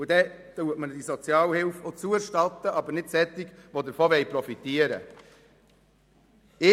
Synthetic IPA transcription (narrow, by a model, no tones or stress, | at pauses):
ʊd̪ɛ | t̪uətməd̪isɔt͡sjɑːlhɪlfɔt͡suɾʃtɑt̪ːəʔɑbəɾnɪdsɛt̪ːɪɡʋod̪əɾfɔʋɛjpɾɔfit̪iəɾə̰ | ɪ